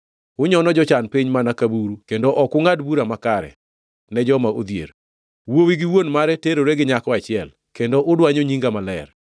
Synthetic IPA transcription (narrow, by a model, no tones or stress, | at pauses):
ʊɲɔnɔd͡ʒɔt͡ʃanpiɲmanakabuɾukendoʔɔkʊŋadbuɾamakaɾɛ̰ | nɛd͡ʒɔmaod̪jḛɾ | wowiɡɪwonmaɾɛteɾoɾeɡɪɲakɔat͡ʃɪɛl | kendoʔʊdwaɲoɲiŋɡamalɛr